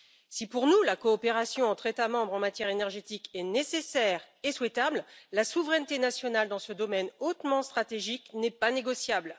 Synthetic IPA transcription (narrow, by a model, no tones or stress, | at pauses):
sipuʁnulakɔːpeʁasjɔ̃ɑ̃t̪χet̪amɑ̃bʁɑ̃mat̪jɛʁenɛʁʒet̪ikɛnesesɛʁ | eswɛt̪abllasuvʁɛnt̪enasjɔnald̪ɑ̃səd̪ɔmɛnot̪mɑ̃st̪χat̪eʒiknɛpaneɡɔsjabl